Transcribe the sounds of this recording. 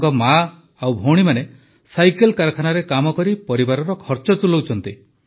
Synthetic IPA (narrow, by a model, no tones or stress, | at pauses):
kɔma | awbʱoɽ̃imane | sajkelkaɾɔkʰanaɾekamɔkɔɾipɔɾibaɾɔɾɔkʰɔɾt͡ʃɔt̪ulɔwt͡ʃʰɔnt̪i